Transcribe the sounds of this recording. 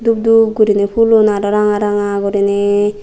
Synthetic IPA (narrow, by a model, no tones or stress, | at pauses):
d̪ub̚d̪ub̚ɡuɾinepʰulunaɾɔɾaŋaɾaŋaɡɔɾine